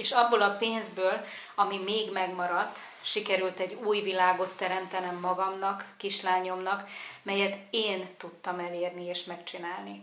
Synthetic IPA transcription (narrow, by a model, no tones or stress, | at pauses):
eːʃɒbːolɒpeːnzbøːlɒmimeːɡmɛɡmɒɾɒt̪ː | ʃikɛɾylt̪ɛɟːuːjvilaːɡo̞t̪ːɛɾɛmt̪ɛnɛmːɒɡɒmnɒkːiʃlaːɲo̞mnɒkmɛjɛt̪eːnt̪ut̪ːɒmɛleːrnieːʃmɛkt͡ʃinaːlni